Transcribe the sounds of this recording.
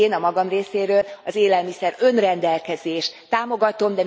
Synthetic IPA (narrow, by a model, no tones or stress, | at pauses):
eːnɒmɒɡɒmreːseːɾøːlɒzeːlɛlmisɛɾø̞nrɛnd̪ɛlkɛzeːʃt̪ːaːmo̞ɡɒt̪o̞md̪ɛ